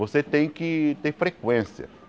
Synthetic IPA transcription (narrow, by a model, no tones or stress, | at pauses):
oset̪ẽj̃kɪt̪eɾfɾekwẽsjɐ̰